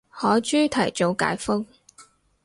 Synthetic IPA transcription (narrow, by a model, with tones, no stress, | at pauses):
hɔː˨˥jt͡ʃyː˥t̪ʰɐ˨˩jt͡ʃo˨˧wka̰ː˨˥jfʊ˥k̚